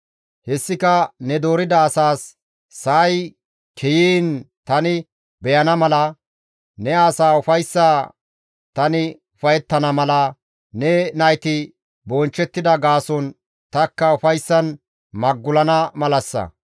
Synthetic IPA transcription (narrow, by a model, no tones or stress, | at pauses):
hɛsːɪkɐnɛd̪o̞ːɾɪd̪ɐːsaːsː | ɐʔːj | kʰɛjiːnt̪ɐnɪ | bɛjɐnɐmɐlɐ | nɛaːsaːʊfɐjsːaː | t̪ɐnɪ | ʊfɐjɛt̪ːɐnɐmɐlɐ | nɛnɐjt̪ɪ | bɔnt͡ʃːɛt̪ːɪd̪ɐɡaːsɔn | t̪ɐkːɐʊfɐjsːɐn | mɐɡːʊlɐnɐmɐlɐsːɐ̰